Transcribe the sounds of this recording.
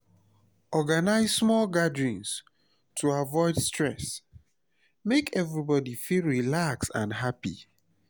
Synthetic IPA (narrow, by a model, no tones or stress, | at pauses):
ɔɡanaɪzsmɔlɡadɹɔ̃ns | tʰuavɔɪdstɹɛs | mekʰɛvɹibɔdifilɹilaksã̰nɦapḭ